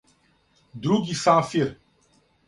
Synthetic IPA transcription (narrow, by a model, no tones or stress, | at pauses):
d̪ɾuɡisaːfiɾ